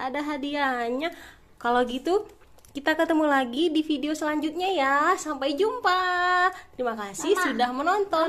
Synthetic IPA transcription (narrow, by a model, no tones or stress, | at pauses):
adaɦadiaɲa | kaloɡit̪u | kit̪akət̪əmulaɡidifideosəlaɲd͡ʒut̪̚ɲajasampajd͡ʒumpat̪əɾimakasɪhsudahmənɔnt̪ɔ